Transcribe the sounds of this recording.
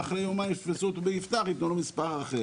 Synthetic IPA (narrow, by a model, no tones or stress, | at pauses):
aχɾejomajʃtfesot̪ubeift̪aχitnolomispaʁaχe